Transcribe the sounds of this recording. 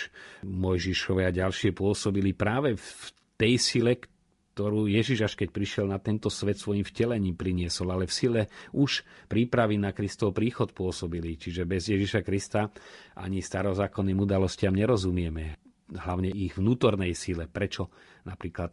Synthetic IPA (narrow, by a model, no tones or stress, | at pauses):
mɔjʒiʃɔʋɛaɟalʃɪɛpʊɔsɔbilipɾaːʋɛf | t̪ɛjsilɛk | t̪ɔɾuːjɛʒiʒaʃkɛc̚pɾiʃɪɛlnat̪ɛnt̪ɔsʋɛt̪sʋɔjimfcɛlɛɲiːmpɾiɲɪɛsɔlalɛfsilɛʔuʃpɾiːpɾaʋinakɾist̪ɔwpɾiːxɔt̪pʊɔsɔbilit͡ʃiʒɛbɛzjɛʒiʃakɾist̪aʔa̰ɲist̪aɾɔzaːkɔnːiːmud̪alɔscɪamɲɛɾɔzumɪɛmɛ | ɦlaʊɲɛiɣʋnuːt̪ɔɾnɛjsilɛpɾɛt͡ʃɔnapɾiːklat̪̚